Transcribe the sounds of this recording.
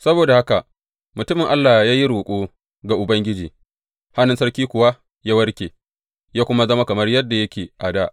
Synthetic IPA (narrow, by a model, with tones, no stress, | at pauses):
sɐ˦boː˨da˨ha˦ka˨ʔ | mʊ˨tʊ˦mɪ˨ŋʔa˦lːaː˨hjaː˦ji˦ɾoː˨kʷʼuː˦ | ɡa˨ʔʊ˨bɐ˦ŋɡʲɪ˦d͡ʒiː˨ | ha˦nʊ˦nsɐ˦rkʲiː˦kʷʊ˨wa˦ | jaː˦wɐ˦rkʲeː˨ | jaː˦kʷʊ˦ma˦zɐ˦ma˦kɐ˨mɐ˦rjɐ˦dːa˨jɐ˦kʲeː˨ʔa˨daː˦ʔ